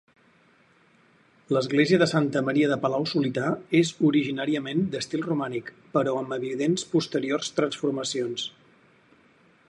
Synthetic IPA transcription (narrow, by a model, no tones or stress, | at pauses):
ləzɣleziəðəsant̪əməɾiəðəpəlawsulit̪aezuɾiʒinaɾiəmend̪əst̪ilˠrumanik | pəɾɔəməβiðenspust̪əɾiorst̪ɾənsfuɾməsions